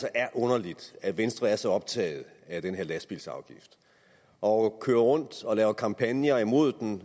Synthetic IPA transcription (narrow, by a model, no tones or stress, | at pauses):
sɒʔæɐʔɔ̽nɐlid̥æʋensd̥ʁɐæɐsɒ̽ɒ̽b̥̚t͡sʰɛ̰ːɪð̩ˠ | æd̥enɦe̝ɐ̰læsb̥ilsɑ̈ʊɡ̥ifd̥ | ʔɒ̽kʰøːɐʁɔ̽n̰d̥ɒ̽lɛːʊɐkʰɑ̈mpʰænjɐimo̝ð̞̰ˠd̥en